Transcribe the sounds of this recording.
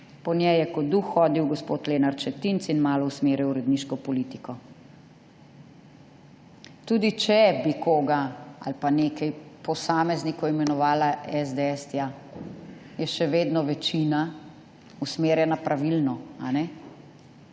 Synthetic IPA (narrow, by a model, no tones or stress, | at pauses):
pɔnjɛjɛkɔd̪uxːɔːd̪iwɡɔspoːt̪leːnaɾt͡ʃɛt̪int̪sinmaːlɔusmeːɾjɛwɾɛd̪niʃkɔpɔlit̪ikɔ | t̪uːd̪it͡ʃɛbikoːɡaa̰lpaneːkɛjpɔsaːmɛznikɔimɛnɔʋaːlaɛzd̪eɛst̪ja | jɛʃɛʋeːd̪nɔʋɛt͡ʃina | usmeːɾjɛnapɾʔaʋilnɔa̰nɛ